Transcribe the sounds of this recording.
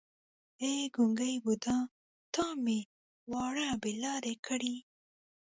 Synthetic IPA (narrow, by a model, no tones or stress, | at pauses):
eɡʊŋɡajbud̪ɑ̃ | t̪ɑme | wɑɽabelɑɾekʰəɽi